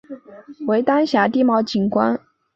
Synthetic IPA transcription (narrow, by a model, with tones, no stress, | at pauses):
we˧˥ɪt̪a˥nɕja˧˥t̪i˥˧mɑ˥˩ʊt͡ɕi˨˩nkwa̰˥n